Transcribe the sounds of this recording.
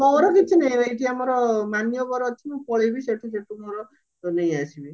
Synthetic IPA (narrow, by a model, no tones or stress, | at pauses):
kɔɔɾɔkit͡ʃʰineĩɾeʈiamɔɾɔmanijɔbɔɾɔt͡ʃ̪ʰimũpɔɭibiseʈʰuseʈumɔɾɔ | nej̃asibi